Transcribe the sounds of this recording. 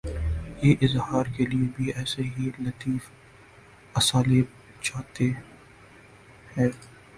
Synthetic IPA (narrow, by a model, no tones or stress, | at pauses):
jeːʔɪzɦaːɾkeliebʱiɛːseɦilɐt̪iːf | ɐsaːleb | t͡ʃaːt̪e | hɛ̃ː